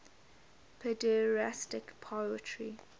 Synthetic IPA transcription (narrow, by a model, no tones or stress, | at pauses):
pʰɛdɛɹastɪkpʰaətʰɹi